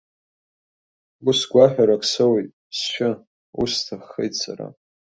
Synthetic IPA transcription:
ɡʊsɡʷaħʲᶣaɾakʰsɨwejtʼ | sʃᶣʊ | ustʰaχːejtʼsʰa̰ɾa̰

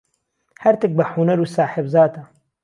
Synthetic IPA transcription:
hɛɾt̪ɨk̚bɨħunɐɾuːsaːħɪbzaːt̪a

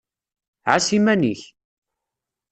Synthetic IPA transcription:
ʕasimæniç

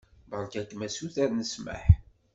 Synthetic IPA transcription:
bəɾˤkækmæsuθæɾnəsmə̰ħ

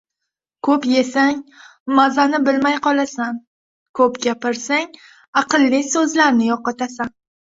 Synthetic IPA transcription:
kʰɵpje̞saŋ | mazanɪbɪlmajqɒlˠasan | kʰɵpɡʲapɪɾsaŋ | ɑqɨlˠːɪsɵzlaɾnɪjɒqɑt̪ʰasan

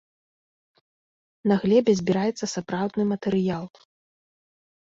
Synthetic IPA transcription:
naɣlʲɛbʲɛzʲbʲiɾajɛt̪sːɐsapɾawd̪nɨmɐt̪ɛɾɨjalˠ

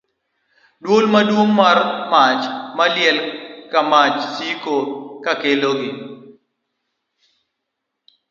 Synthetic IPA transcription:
dwolmadwomːarmat͡ʃmaljɛlkamat͡ʃsikokakeloɡi

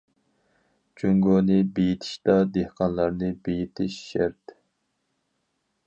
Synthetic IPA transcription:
t͡ʃʰyŋɡonɨbejit̪ʰɪ̥ʃt̪ɑd̪ehqʰɑnlˠɑɾnɨbejit̪ʰɪʃːæɾt̪

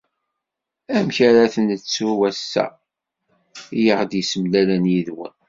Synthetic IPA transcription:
æmçaɾaθənət͡sːuwæsːæ̰ | ijəʁd̪jəsəmlælænjiðwə̰n

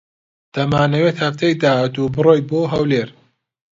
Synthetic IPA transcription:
d̪̥ɐmaːnɐweːt̪hɐft̪ejd̪aːhaːt̪ubɨroːjboːɦɐwleːɾ

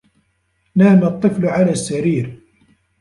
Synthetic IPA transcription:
naːmɑt̪ˤːɨflʕalaːsːaɾiːɾ

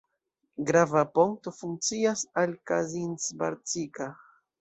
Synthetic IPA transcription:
ɡɾavapoŋk̚t̪ofuŋt͡siasalkazinsbaɾt͡sika

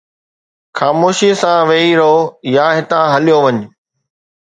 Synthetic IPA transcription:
xaːmoːʃisãʋeiɾoːjaːɦɪt̪ãɦɐlijoʋɐɲ̆

